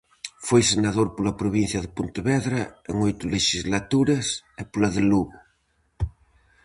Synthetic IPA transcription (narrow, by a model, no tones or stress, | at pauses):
fojsenaðoɾpolɐpɾoβinθjɐðɪpont̪eβɛðɾɐḛŋojt̪ʊleʃizlat̪uɾɐsɪpolɐðɪluɣʊ